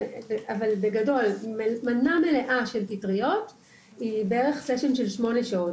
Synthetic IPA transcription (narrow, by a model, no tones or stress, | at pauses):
veavalbeɡado̞lmmanamele̞ʔaʃe̞lpitʁijo̞t | ibeeʁe̞χseʃenʃe̞lʃmo̞neʃao